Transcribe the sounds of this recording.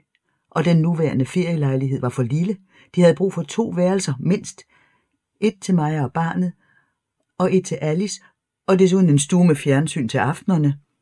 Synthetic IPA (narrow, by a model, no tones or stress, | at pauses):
ʔɒ̽d̥enːuʋæɐnəfe̝ɐ̰jəlɑ̈ɪliɦe̝ð̰ˠʋɑ̈fɒ̽lilə | d̥ihæð̞̩ˠb̥ʁṵːfɒ̽t͡sʰo̝̰ːʋæːɐlsɐme̝n̰sd̥ | ʔe̝d̥̚t͡sʰe̝lmɑ̈ɪɒb̥ɑ̈ːnð̩ˠ | ʔɒ̽ʔe̝d̥̚t͡sʰe̝lʔælis | ʔɒ̽d̥e̝s̬uðˠnensd̥uɐmefjæɐnsy̰ːnt͡sʰe̝lɑ̈fd̥nɐnə